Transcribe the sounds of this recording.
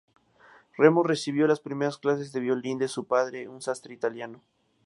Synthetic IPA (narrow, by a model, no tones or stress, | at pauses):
remore̞siβ̞jo̞laspɾime̞ɾasklas̬e̞zðe̞βjolind̪e̞supað̞ɾeunsast̪ɾeit̪aljano